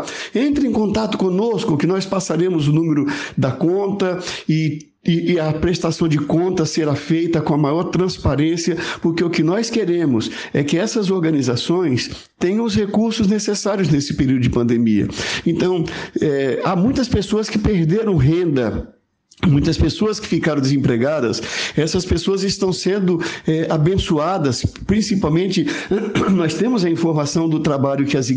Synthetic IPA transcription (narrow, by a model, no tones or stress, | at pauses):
ẽnt̪ɾɪ̃ẽkõnt̪at̪ʊ̥kõnoskʊkɪnɔspasaɾẽmʊzʊnũmeɾʊd̪ɐkõnt̪ɐɪ | ɪɪɐpɾest̪asɐ̃w̃d͡ʒɪkõnt̪ɐseɾafejt̪ɐkõɐmajɔɾt̪ɾɐ̃spaɾẽsiɐpoɾkeʊkɪnɔjskeɾẽmʊs | ɛkɪɛsɐzoɾɡɐ̃nizasõj̃s | t̪ẽj̃ɐ̃w̃ʊshekuɾsʊznesesaɾjʊznesɪ̥peɾiwd̪ʊd͡ʒɪpɐ̃nd̪emiɐ̰ẽnt̪ɐ̃w̃ɛamũj̃t̪ɐspesoɐskɪpeɾd̪eɾɐ̃w̃ɦẽnd̪ɐ | mũj̃t̪ɐspesoɐskɪ̥fikaɾɐ̃d̪ɪzẽmpɾeɡad̪ɐ̰sɛsɐspesoɐzɪst̪ɐ̃w̃sẽnd̪ʊɛabẽsuad̪ɐspɾĩsipawmẽnt͡ʃɪnɔst̪ẽmʊzɐĩfoɾmasɐ̃w̃d̪ʊt̪ɾabaʎʊkɪɐz